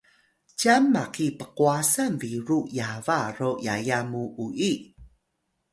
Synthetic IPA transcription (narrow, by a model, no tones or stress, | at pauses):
camːakipəquasanviɾujavarojajamuʔuʔi